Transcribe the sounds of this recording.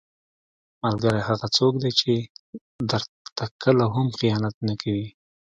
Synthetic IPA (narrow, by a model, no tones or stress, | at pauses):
malɡaɾajɦaɣat͡sokd̪et͡ʃe | d̪əɾ | t̪akəlaɦamxijɑnat̪̚nakʰawi